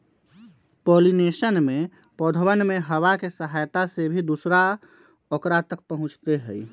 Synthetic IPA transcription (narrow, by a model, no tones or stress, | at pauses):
polinesənme | pod̪ʱwənmeɦəwakesəɦajt̪asebʱid̪usɾa | okɾat̪ək̚pəɦũt͡ʃt̪eɦə̰j